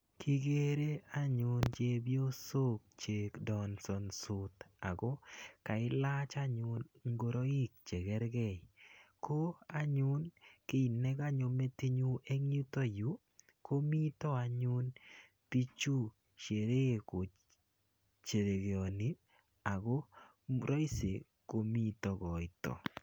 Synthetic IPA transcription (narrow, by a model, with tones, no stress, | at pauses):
kʰi˦ɡe˦ɾe˦a˦ɲʊ˨˦nt͡ʃe˦bjo˦so˦k̚t͡ʃe˨kdɔ˨nsɔ˨nsʊ˨t̪a˨ɡɔ˦ka˨ɪ˦la˦t͡ʃa˦ɲʊ˦nŋɡo˨ɾo˦i˦k̚t͡ʃe˨ɡɛ˦ɾɡɛ˦˨jko˦a˦ɲʊ˦nkɪ˦i˨nɛ˦ɡa˦ɲo˨˧me˦ti˦ɲu˦ʔe˦ŋi˦t̪ɔ˦ju˨˦ | ko˦mi˦t̪ɔ˦a˨ɲʊ˦n | pi˦t͡ʃu˦ | ʃe˨ɾe˦ko˨ | t͡ʃe˨ɾe˨ɡe˨ɔ˨ni˦ | a˨ɡɔ˦ | ɾɔ˦ɪ˦se˨ | ko˦mi˦tɔ˦ɡɔ˨ɪ˦tɔ̰˨